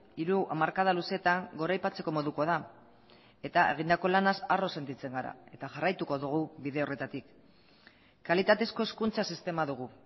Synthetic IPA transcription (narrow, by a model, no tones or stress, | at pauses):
iɾuʔamaɾkað̞aluse̞t̪aŋɡo̞ɾajpat͡se̞ko̞mo̞ðuko̞aða | e̞t̪ae̞ɣ̞ind̪ako̞lanasaro̞se̞nt̪it͡se̞ŋɡaɾa̰e̞t̪aʝarajt̪uko̞ðuɣ̞uβiðe̞o̞re̞t̪at̪ik | kːalit̪at̪e̞sko̞e̞skunt͡sasist̪e̞maðuɣ̞u